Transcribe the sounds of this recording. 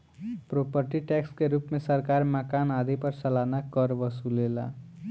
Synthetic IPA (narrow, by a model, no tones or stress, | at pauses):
pɾopəɾʈiʈɛkskeɾupmesəɾkaɾməkanad̪ipəɾsəlanakəɾʋəsulela̰